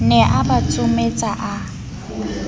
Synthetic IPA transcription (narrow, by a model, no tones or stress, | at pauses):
nɛʔabat͡sʼʊmet͡sʼaʔa